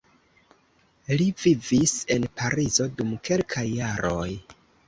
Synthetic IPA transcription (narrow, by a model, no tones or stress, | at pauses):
livivise̞npaɾizo̞dumke̞lkʰajːaɾoj